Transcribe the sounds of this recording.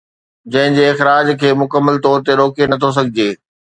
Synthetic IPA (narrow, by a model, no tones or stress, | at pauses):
d͡ʑɐ̃ɦɪ̃ɲd͡ʑeːɪxɾaːd͡ʑkʰeːmʊkəmːəlt̪ɔːɾt̪eɾoːkenɐt̪ʰos̬ɐɡʱɪd͡ʑeː